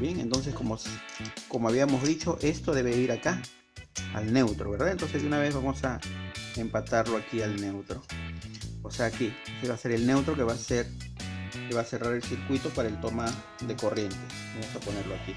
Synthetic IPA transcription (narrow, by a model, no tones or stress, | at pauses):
bje̞ŋent̪o̞ns̬eskomoskomoaβiamo̞zðit͡ʃo̞ʔest̪oðe̞βeiɾaka | a̰lne̞wt̪ɾoβeɾðaent̪o̞nsezd̪unaβezβamosaempat̪aɾloakialne̞wt̪ɾo | oseakiseβase̞ɾe̞lne̞wt̪ɾo̞keβaseɾ | keβase̞raɾe̞lsiɾkwit̪o̞paɾaelt̪oma | d̪eko̞rje̞nt̪e | bamosapone̞ɾloaki